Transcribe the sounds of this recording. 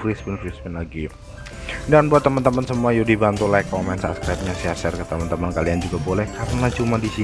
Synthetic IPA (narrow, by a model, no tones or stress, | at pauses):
fɾisbinfɾismɛnlaɡi | danbuat̪ːəmənt̪əmənsəmuajudibant̪ulajkːomɛnt̪sa̰pskɾajp̚ɲasiasɛrkət̪əmant̪əmənkaliand͡ʒuɡabolɛhkaɾənat͡ʃumadisi